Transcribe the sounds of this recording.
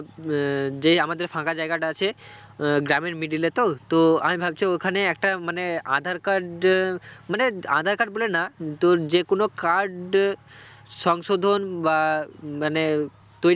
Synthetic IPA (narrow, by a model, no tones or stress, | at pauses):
d͡ʒeamad̪eɾpʰãkad͡ʒajɡaɖat͡ʃʰe | ɡɾamimiɖilet̪ot̪oa̰mibʱabt͡ʃʰeokʰaneek̚ʈamənea̰d̪ʱaɾkaɾɖ | mənea̰d̪ʱaɾkaɾɖbolenat̪od͡ʒekonokaɾɖ | sɔŋsod̪ʱonʋaməne | t̪oi